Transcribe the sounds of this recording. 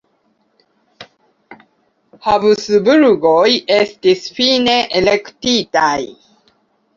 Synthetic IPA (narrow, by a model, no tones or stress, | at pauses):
haβɯsɨbɯɾuɡojest̪isfiːneʔelekt̪it̪aj